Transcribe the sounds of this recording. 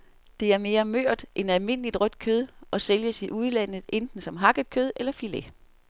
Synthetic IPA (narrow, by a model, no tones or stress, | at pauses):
d̥e̝æɐme̝ːɐmøɐ̰d̥ʔenælme̝n̰əlid̥ʁœd̥kʰøð̞ˠʔɒ̽seljəsiʔuð̞ˠlæn̰ð̞̩ˠend̥n̩sɒ̽mɦɑ̈ɡ̥əðˠkʰøð̞ˠelɐfile